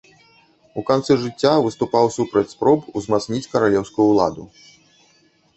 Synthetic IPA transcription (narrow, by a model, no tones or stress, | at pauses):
ukant̪sɨʐɨt͡sʲːavɨst̪upawsupɾɐt͡sʲspɾɔbuzmat̪snʲit͡sʲkɐɾalʲɛwskʊjulˠa̰d̪u